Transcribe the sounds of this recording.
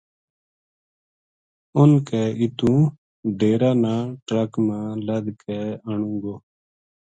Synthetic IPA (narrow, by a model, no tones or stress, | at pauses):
ʊnkɛːɪt̪ũː | ɖʱeːɾaːnãːʈɾəkmãːləd̪kʰɛːəɳũːɡoː